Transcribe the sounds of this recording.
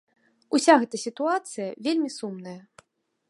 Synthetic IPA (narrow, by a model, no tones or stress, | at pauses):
usʲaɣɛt̪ɐsʲit̪uat̪sɨjɐvʲelʲmʲisumnɐjɐ